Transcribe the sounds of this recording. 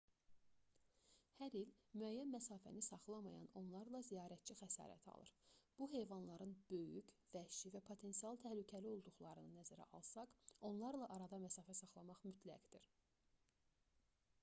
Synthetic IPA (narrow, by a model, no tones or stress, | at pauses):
hæɾilmyæjːænmæsɑːfæ̰nisɑχlˠɑmɑ̰jɑ̰no̞nlˠɑɾlˠɑzijɑːɾæt̪̚t͡ʃixæsɑ̰ːɾæ̰t̪ʰɑ̰lˠɯ̰ɾb̥uɦe̞jvɑnlˠɑɾɯnb̥ø̞jy̰cvæʃivæpʰo̞t̪ʰe̞nsijɑlˠt̪ʰæhlycʰælio̞lˠd̪uχlˠɑɾɯnɯnːæzæɾæ̰ʔɑlˠsɑqo̞nlˠɑɾlˠɑʔɑɾɑd̪ɑmæsɑːfæsɑχlˠɑmɑχmyt̪ʰlæ̰ɡd̪iɾ